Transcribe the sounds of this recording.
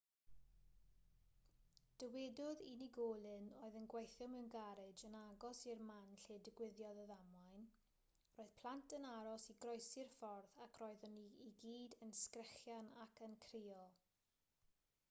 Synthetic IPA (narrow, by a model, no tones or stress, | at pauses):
d̥əwɛdʊðiniɡoːlˠɨnoːɨðənɡwejθʊmənɡaɾɨd͡ʒənaɡɔsirmanɬeːdɪɡwɪðjɔðɔðamajn | roːɨð̥pʰl̥ˠantʰənaɾɔsiɡrɔjsɪrfɔrθakʰroːɨðɔniiɡiːdənskrɛχjanakʰənkʰriːɔlˠ